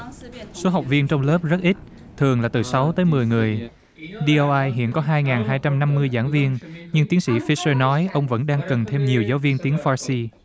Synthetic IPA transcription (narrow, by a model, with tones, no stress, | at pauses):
so˨˦ɦa˨˩wk͡p̚vi˧ənt͡ɕɔ˧wŋ͡mləː˦˥p̚zə˦˥t̚ʔi˦˥t̚ | t̪ʰɨ˨˩əŋlaː˨˩t̪ɨ˨˩sa˨˦wt̪əː˨˦jmɨ˨˩əjŋɨ˨˩əj | ɗi˧ʔo˧ʔaː˧jɦḭ˧˨ənkɔ˨˦ɦaː˧jŋaː˨˩nɦaː˧jt͡ɕa˧mna˧mːɨ˧əjza̰ː˧˥˩nvi˧ənɲɨ˧ŋt̪i˨˦nsḭ˧˥fi˧˥səː˧nɔ˨˦jʔə˧wŋ͡mvə̰˧˥nɗaː˧ŋkə˨˩nt̪ʰe˧mɲi˨˩əwzaː˨˦wvi˧ənt̪i˨˦əŋfaː˧si˧